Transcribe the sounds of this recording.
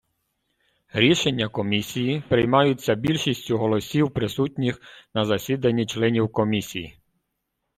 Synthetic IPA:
ɾʲiʃenʲːɐkɔmʲisʲijipɾɪjmɑjʊt͡sʲːɐbʲilʲʃisʲtʲʊɦɔlˠɔsʲiwpɾɪsutʲnʲixnɐzɐsʲid̪ɐnʲːit͡ʃlˠɛnʲiwkɔmʲisʲiji

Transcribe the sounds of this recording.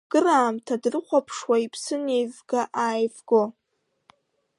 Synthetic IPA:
ɡ̥ɨraːmtʰadrɨχʷapʰʂwaipʰsɨne̞jvɡaʔaːjvɡo

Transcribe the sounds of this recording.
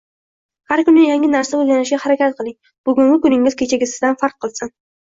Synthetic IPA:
haɾkʊnʲɪjaŋʲɪnaɾsaɵlɡʲanɪʃɡʲahaɾakʲat̪̚qʰɨlˠɪŋ | b̥ʊɡʲʊŋɡʲɪkʊnɪŋɪz̥kʲʰet͡ʃʰaɡʲɪsɪzd̪anfaɾq̚ʰːɨlˠsɪn

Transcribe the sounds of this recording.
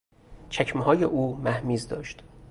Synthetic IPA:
t͡ʃʰæcʰmhɒːjeʔuːmæhmiːzd̪ɒ̰ːʃt̪

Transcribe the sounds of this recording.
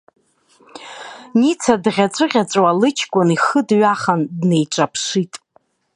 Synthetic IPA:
nit͡sʰadʁʲat͡sʷʼɨʁʲat͡sʷʼwalɨt͡ʃʰkʷʼʊniχədɥaχandne̞jʈ͡ʂʷʼapʰʂitʼ

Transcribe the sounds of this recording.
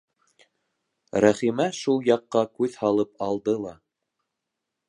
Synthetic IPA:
ɾæχimæʃulˠjɑqːɑkʉðhɑlˠɤpɑlˠd̪ɤlˠɑ

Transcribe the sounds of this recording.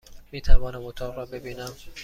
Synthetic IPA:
miːt̪ʰævɒːnæmot̪ʰɒːʁɾɒːbe̞biːnæm

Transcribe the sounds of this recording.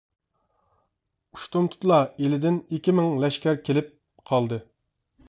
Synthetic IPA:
uʃt̪umt̪ʰu̥t̪lˠɑelɪd̪ɪnikʲimɪŋlɛʃkʲæɾkʲʰelɪp̚ | qʰɑlˠd̪ɨ

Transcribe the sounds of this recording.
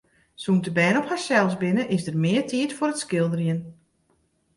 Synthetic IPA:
suntəbɛːnɔphaɹsɛlˠsbɪnəʔɪsdərmɪːətʰiətfʊɾətskɪlˠdərjən

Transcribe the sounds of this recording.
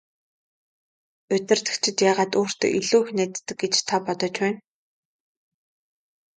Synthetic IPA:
ʊt̪ʲɪ̆r̥t̪ɘ̆kt͡ɕʰɪ̆t̪jaːʁaːt̪oːr̥t̪ɵ̰ʔiɮuːxnæːt̪ːɘ̆ɡɡet͡ɕt̪ʰapɔt̪ɞ̆t͡ɕpæːn

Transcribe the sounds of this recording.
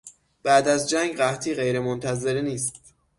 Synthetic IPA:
b̥æːd̪æzd͡ʒæŋɡɢæht̪ʰiːɢe̞jɾemont̪ʰæzeɾniːst̪t̪

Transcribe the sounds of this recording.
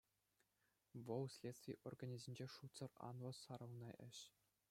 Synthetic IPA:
ʋɤ̆lˠsʲlʲet̪st̪vʲijʔorɡanʲizʲinʲd͡ʑeʂut̪sɤ̆rɑ̰nlˠɤ̆sɑɾɤ̆wnɑʔɘ̆ɕ

